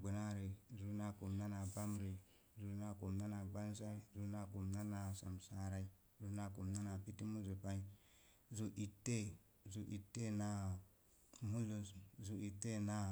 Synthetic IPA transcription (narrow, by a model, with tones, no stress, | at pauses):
ɡ͡bi˨na˦ɾe˨zu˦na˨ku˨mna˦na˨ba˦mɾe˨ | zu˨˦na˨ko˨mna˦na˨ɡ͡ba˦n˦sa˦i˦zu˦na˨ku˨mna˦na˨sa˨msa˨ɾa˦i˦ | zu˦na˨ku˨mna˦na˨pi˦ti˦mu˦zo˨pa˦i˦ | zu˨ʔi˨tːe˦ | zu˨ʔi˨tːe˦na˨ | mu˦lo˨szu˨i˨tːe˦na˨